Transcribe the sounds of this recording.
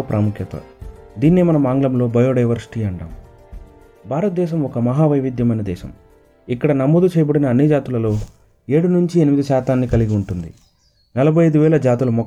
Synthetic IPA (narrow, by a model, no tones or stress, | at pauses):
pɾʔaːmukʰjɐt̪ɐ̰d̪iːnːeːmɐnɐmaːŋɡlɐmlo̞ːbɐjoːɖɐjʋɐɾsi̥ʈiːɐɳɖa̰ːm | bʱaːɾɐt̪̚d̪ɛːʃ̬ɐmɔkɐmɐɦaːʋɐjʋid̪jɐmɐjnɐd̪ɛ̰ːʃɐ̰m | ikːɐɽɐnɐmːud̪ut͡ʃɛːjɐbɐɽinɐːnːid͡ʒaːt̪ulɐlo̞ː | e̞ːɽunuɲt͡ʃienimid̪iʃaːt̪aːnːikɐliɡiuɳʈund̪ḭ | nɐlɐbʱɐjɐjd̪uʋɛːlɐd͡ʒaːt̪ulɐmɔ